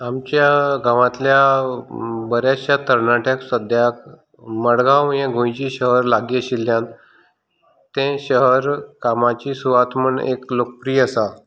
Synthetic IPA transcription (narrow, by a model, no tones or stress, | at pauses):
amt͡ɕjaɡãʋãt̪lja | bəɾjat͡ɕjat̪əɾnaʈjaksəd̪ʱjak | məɽɡãwjãɡʱõjt͡ɕiːɕəɦəɾlaɡiəɕilːjãn | t̪ẽɕəɦəɾkamat͡ɕiːsuʋat̪məɳḛklok̚pɾiːəsa